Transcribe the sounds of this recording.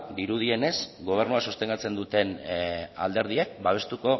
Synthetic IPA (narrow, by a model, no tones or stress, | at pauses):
d̪iɾuð̞ie̞ne̞sɡo̞β̞e̞ɾnuasust̪e̞ŋɡat͡se̞nd̪ut̪e̞na̰ld̪e̞ɾð̞iekbaβ̞e̞st̪uko̞